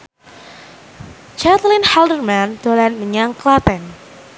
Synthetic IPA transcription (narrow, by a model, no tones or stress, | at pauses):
t͡ʃat̪lɪnhaldərmand̪olɛnməɲaŋklat̪ɛn